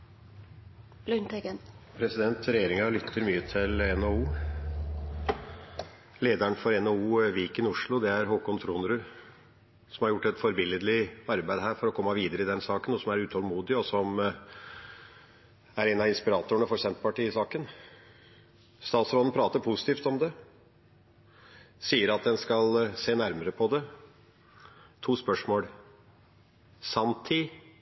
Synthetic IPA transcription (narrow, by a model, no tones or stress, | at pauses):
lʉnt̪ɛɡənpʰɾɛsɪd̪ɛnt̪ɾɛjeːɾɪŋɑɭʏt̪ʰːəɾmyːət̪ʰɪlɛnɛuː | leːd̪æɳfɔɾɛnɛuːʋiːkənɪʊʂɭʊd̪ɛæɾɦoːkʊnt̪ʰɾunɾʉ | sɔmhɑɾjʊʈːɛt̪fɔɾbɪlːəd̪lɪɑɾbæɪd̪ɦæːɾfɔɾɔkʰɔmːɑʋiːd̪əɾəɪd̪ɛnsɑːkənɔsɔmæɾʉːt̪ʰɔlmuːd̪ɪɔsɔm | æɾɛnɑɪnspɪɾɑːt̪ʊəɳəfɔɾsɛnt̪əpɑʈiːɪsɑːkən | st̪ɑːt̪sɾɔːd̪n̩pʰɾɑːt̪əɾpʰusɪt̪iːft̪ɔmd̪ɛ | siːəɾɑt̪̚d̪ɛnskɑlseːnæɾməɾəpʰɔd̪ɛ | t̪ʰuːspœʂmoːl | sɑnt̪ʰɪ